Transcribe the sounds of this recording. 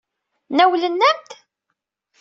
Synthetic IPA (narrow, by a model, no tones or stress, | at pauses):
næwlənːæmt̪